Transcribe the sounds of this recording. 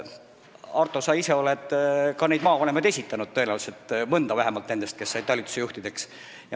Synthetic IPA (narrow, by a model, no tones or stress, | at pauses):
ɑrt̪ːˑo̞sɑise̞o̞led̪kɑne̞jd̪mɑːvɑne̞mɑd̪̥e̞sʲit̪ːˑɑnud̪̥̚t̪ːɤenæwlselt̪mɤnd̪ɑvæɦemɑlt̪ne̞nd̪e̞st̪̚ke̞sːɑjd̪t̪ɑlʲit̪ːu̥se̞juht̪id̪̥e̞ks | jɑ